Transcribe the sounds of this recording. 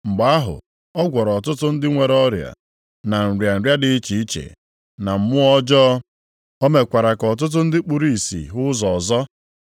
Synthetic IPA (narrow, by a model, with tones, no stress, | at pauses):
ŋ͡m̩˨ɡ͡ba˦a˦ɦʊ̰˨ | ɔ˦ɡʷɔ˨ɾɔ˨tʊ˦tʊ˦n̩˦dɪ˦ŋʷe˨ɾɔ˦ɾja̰˨ | na˨n̩˨ɾja˨n̩˨ɾja˦dɪ˦t͡ʃi˨i˦t͡ʃḛ˨ | na˨m̩˨mʊ˦ɔ˦d͡ʒɔ˦ | o˦me˨kʷa˨ɾa˨kɔ˨t̬ʊ˦t̬ʊ˦n̩˦dɪ˦k͡pu˨ɾi˦˨i˨sḭ˨ɦʊ˦zɔ˨zɔ˦